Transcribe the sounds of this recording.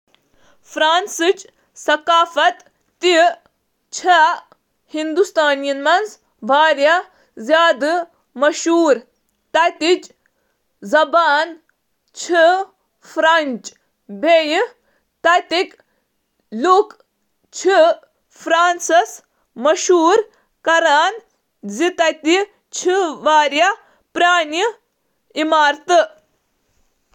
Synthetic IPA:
fʰɾaːnsɨt͡ʃ | sɐkaːfɐt̪ː | i | t͡ʃʰɐ | hind̪ust̪aːnijɐnmɐnz | bʱaːɾjɐ | zʲjaːd̪ɨ | mɐʃuːɾ | t̪ɐt̪it͡ʃ | zɐbaːn | t͡ʃʰi | fʰɾɐnt͡ʃ | bʱeːj | t̪ɐt̪ik | luk | t͡ʃʰi | fɾaːnsɐs | mɐʃuːɾ | kɐɾaːn | zit̪ɐt̪i | t͡ʃʰiʋaːɾjɐ | pɾaːni | imaːɾt̪ɨ

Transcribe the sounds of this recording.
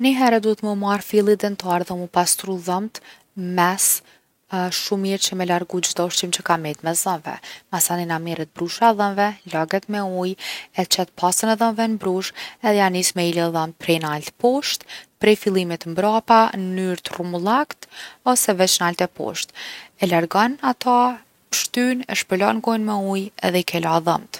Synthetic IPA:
niɦɛɾɛd̪uɛt̪məmarfilˠid̪ɛnt̪aɾðɛmupast̪ɾuðəmt̪ | mɛs | ʃumiɾt͡ɕəmɛlaɾɡud͡ʒd̪ɔʃt͡ʃimt͡ɕəkamɛt̪mɛsðənvɛ̰masaninamiɾət̪̚bɾuʃaðənvɛlaɡɛt̪mɛujɛt͡ʃɛt̪̚pʰasənɛðənvɛnbɾuʃɛðɛjanismɛilɛðəmt̪̚pɾɛjnalt̪pɔʃt̪pɾɛjfilˠimit̪mbɾapanyɾt̪rumulˠakt̪ɔsɛvɛt͡ʃnalt̪ɛpɔ̰ʃt̪ɛlaɾɡɔnat̪ʰa | pə̥ʃt̪ynɛ̰ʃpəlɔnɡɔjnmɛujɛ̰ðɛikʰɛlaðə̰mt̪

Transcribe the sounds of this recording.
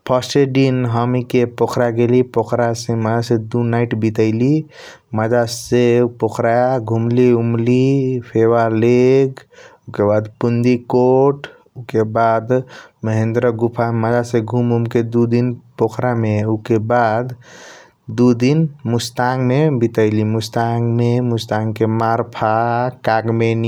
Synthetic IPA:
pʰəseɖinɦəmikepokʰɾaɡelipokɾaseməd͡ʒased̪unaiʈbit̪əɪli | məd͡ʒasepokʰɾajaɡʱumliumlipʰeʋaleɡukebad̪pund̪ikoʈ | ukebad̪məɦẽnd̪ɾəɡupʰaməd͡ʒaseɡʱumɦumked̪ud̪inpokʰɾameukebad̪ | d̪ud̪inmust̪aŋɡmebit̪əɪlimust̪aŋmemust̪aŋkemaɾpʰakaɡmen

